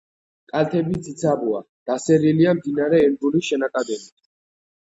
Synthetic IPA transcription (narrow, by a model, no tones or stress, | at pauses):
kʼalt̪ʰɛbizit̪sʰabua̰ | d̪̥asɛɾiliamd̪inaɾɛːnd̪uliʃɛnak̪ʼad̪ɛnit̪ʰ